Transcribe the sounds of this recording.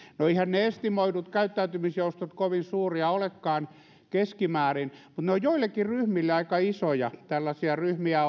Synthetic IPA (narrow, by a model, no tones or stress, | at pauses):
noeihænneest̪imoitut̪kæyt̪ːæyt̪ymisjoust̪ot̪koʋinsuːriɑolekːɑːn | keskimæːrinmut̪neojjoilːˑekːiryhmilːeɑikɑisojɑt̪ælːæsiɑryhmiæ